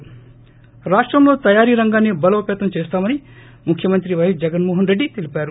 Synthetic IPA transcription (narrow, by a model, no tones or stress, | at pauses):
ɾaːʂʈɾɐmlo̞ːt̪ɐjaːɾiːɾɐŋɡaːnːebɐlɐʋɐpeːt̪ɐmt͡ʃeːst̪aːmɐni | mukʰːjɐmɐnt̪ɾiʋɐjisd͡ʒɐɡɐnmoːɦɐnɾeɖːit̪elipaːɾu